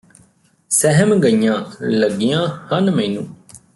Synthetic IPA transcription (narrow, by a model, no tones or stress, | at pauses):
sɛɦəmɡəijãːləɡijãːhənmɛ̃ːnṵ̃ː